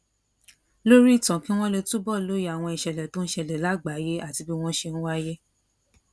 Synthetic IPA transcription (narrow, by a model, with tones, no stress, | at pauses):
lo˦ɾi˦i˦˨tɔ̃˨kĩ˦w̃ɔ̃˦le˧tu˦bɔ˦˨lo˦ji˦a˨w̃ɔ̃˧i˨ʃɛ˨lɛ˨tõ˦n̩˦ʃɛ˧˨lɛ˨la˦ɡ͡ba˨˦je˦ʔa˦˨ti˧bi˦w̃ɔ̃˦ʃe˧nũ˦wa˦je˦